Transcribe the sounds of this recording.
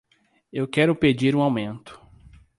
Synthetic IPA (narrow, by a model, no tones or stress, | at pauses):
ewkɛɾʊped͡ʒiɾũawmẽnt̪ʊ̥